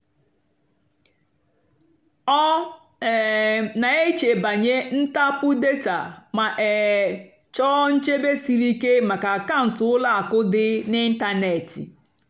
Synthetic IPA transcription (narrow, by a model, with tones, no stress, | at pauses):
ɔ˦˨ | na˨e˦t͡ʃe˨ba˨ɲe˦n̩˦ta˦pʊ˦de˦ta̰˨ma˨ʔe˨ | t͡ʃɔ˦n̩˦t͡ʃe˦be˦si˨ɾi˦ke˦ma˨ka˨ka˦˨n̩˨tʊ˨˦ʊ˦la˦a˨kʊ˦dɪ˦nɪ˦n̩˦ta˦ne˨tḭ˨